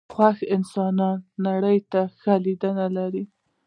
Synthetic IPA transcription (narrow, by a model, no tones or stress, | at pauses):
xwaxɪnsɑnɑnːaɽəjt̪axalid̪ənalaɾi